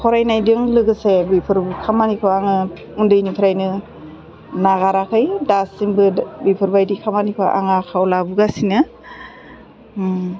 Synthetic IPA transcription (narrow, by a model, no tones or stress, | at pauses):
kʰɔɾajnajdɯŋlɯɡɯsebipʰɯɾbukʰamanikʰɯaŋɯ | undɯjnipʰɾajnɯ | naɣaɾakʰɯjdasiŋbɯbipʰɯɾbajdikʰamanikʰɯʔa̰ŋakʰawlabuɡasinɯ